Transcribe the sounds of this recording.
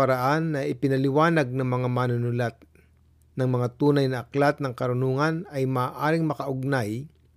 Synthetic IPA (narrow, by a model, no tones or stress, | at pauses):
ɐɾɐʔanːɐʔɪpɪnɐlɪwaːnɐɡ̚nɐŋmɐŋamaːnʊnʊlat̪̚ | nɐŋmɐŋat̪uːnɐjnɐʔɐklat̪̚nɐŋkɐɾʊnuːŋɐnɐjmaːʔaːɾɪŋmɐkɐʔʊɡ̚naj